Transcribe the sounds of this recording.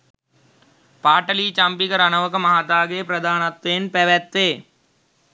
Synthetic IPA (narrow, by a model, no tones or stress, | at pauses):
paːʈəliːt͡ʃãːmpikəɾanəʋəkmɐɦaːt̪aːɡeːpɾəd̪aːnət̪ːeːnpɛːʋɛːt̪ːeː